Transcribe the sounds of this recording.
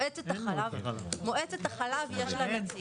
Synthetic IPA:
ʔet͡set̪aχalavmoʔet͡set̪aχalavjɛʃlana

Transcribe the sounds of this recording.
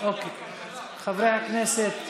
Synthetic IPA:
oːke | χavɾeakneset̪

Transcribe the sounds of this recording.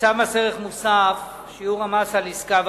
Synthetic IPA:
samaseʁeχmusaf | ʃiuʁamasaliskav

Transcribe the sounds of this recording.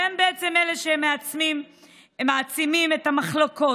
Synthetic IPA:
embeet͡semeleʃemeat͡smim | maːt͡simimetamaχloko̞

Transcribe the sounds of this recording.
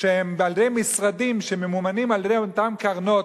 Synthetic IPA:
ehembeald̪ejmisʁadimʃememumanimaljedejot̪amkaʁno̞

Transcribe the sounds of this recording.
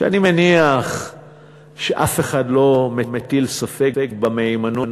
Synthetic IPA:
ʃea̰nimeniaχ | ʃeʔafeχadlo̞memetilsafekekbameimanon

